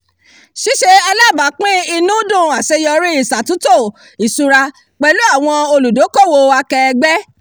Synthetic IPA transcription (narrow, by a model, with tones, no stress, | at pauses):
ʃi˨˦ʃe˧a˧la˦˨ba˨˦k͡pĩ˦i˧nũ˦dũ˦˨a˨se˧jɔ˧ɾi˦i˦˨sa˨tũ˨˦to˦˨ | i˨su˨˧ɾa˧ | k͡pɛ˧lu˦a˦˨w̃ɔ̃˧o˧lu˨do˨˦ko˦˨wo˧wa˧kɛ˧ɡ͡bɛ˦